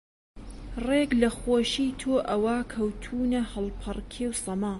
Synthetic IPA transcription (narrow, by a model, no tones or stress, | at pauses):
reɡlɐχoːʃiːt̪ʰoːʔɐwɐkʰɐwt̪ʰuːnɐhɨlˠpʰɐrkʰewsɐmaː